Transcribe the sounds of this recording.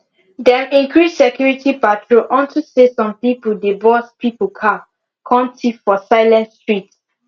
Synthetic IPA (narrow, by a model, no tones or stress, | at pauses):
dɛ̃mĩŋkɹissɛkʰjuɹitʰipatʰɹoʔɔ̃ntʰusesɔ̃mpipudebɔspipokʰa | kʰãntʰifɔsaɪlɛ̃ntstɹit